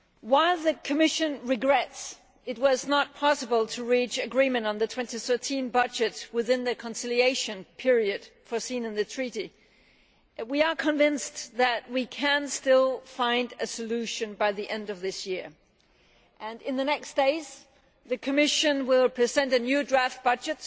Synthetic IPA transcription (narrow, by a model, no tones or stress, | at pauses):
waɪlˠðɨkʰɨmɪʃɨ̃nɹɨɡɹɛts | ɨt̚wʌznət̚pʰɑsəbəl̩ˠtʰɨɹit͡ʃɨɡɹĩmɨ̃ntn̩ðɨtʰw̥ɛ̃ntiθɜ˞tʰĩnbʌd͡ʒɨt̚wɨðɪ̃nðɨkʰə̃nsɪlˠieɪʃɨ̃npʰɪɹiɨd̥fəsĩnɨ̃nðɨtʰɹ̥iɾi | wiə˞kʰə̃ɱvɪ̃nsðɨt̚wikʰɨ̃nstɪlˠfãɪ̃ndɨsɨlʉʃɨ̃nbaɪðiʔɛ̃ndʌvðɪsjɪɹ | ʔɨ̃nɨ̃nðɨnɛksd̥eɪz | ðɨkʰɨmɪʃɨ̃nwɪlˠpʰɹ̥ɨzɛ̃ntɨnjʉdɹæft̚b̥ʌd͡ʒɨt̚